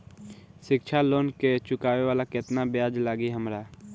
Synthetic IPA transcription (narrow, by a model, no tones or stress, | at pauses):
ʃɪkt͡ʃʰaloːnket͡ʃʊkaːʋeʋaːlakɪt̪nabjaːd͡ʒlaːɡiɦəmɾaː